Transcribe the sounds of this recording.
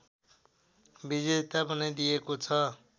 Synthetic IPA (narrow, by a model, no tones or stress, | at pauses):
bid͡zet̪abʌnajd̪ijekot͡sʰʌ